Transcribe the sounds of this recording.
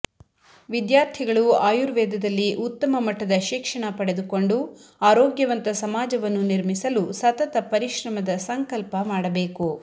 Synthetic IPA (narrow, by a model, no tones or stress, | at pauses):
ʋid̪jaːɾt̪ʰiɡɐɭuaːjuɾʋɛːd̪ɐd̪ɐlːiʔut̪ːɐmɐmɐʈːɐd̪ɐʃikʂɐɳɐpɐɽe̞d̪uko̞ɳɖuaːɾoːɡjɐʋɐnt̪ɐsɐmaːd͡ʒɐʋɐnːuniɾmisɐlusɐt̪ɐt̪ɐpɐɾiʃɾɐmɐd̪ɐsɐŋkɐlpɐmaːɽɐbeːku